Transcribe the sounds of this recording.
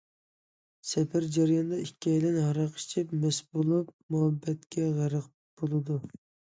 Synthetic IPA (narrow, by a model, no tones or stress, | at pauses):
sɛpʰæɾd͡ʒæɾjɑnd̪ɑikʲːɛjlɪnhɑɾɑqi̥t͡ʃʰɪpmɛsbolˠup̚muhɛbːɛt̪kʲɛʁæɾəq̚ | b̥olˠɨd̪u